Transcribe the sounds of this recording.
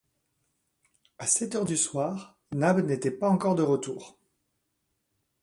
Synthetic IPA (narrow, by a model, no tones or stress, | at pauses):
asɛt̪œʁd̪yswaːʁ | nabnet̪ɛpaɑ̃kɔʁd̪əʁət̪uːʁ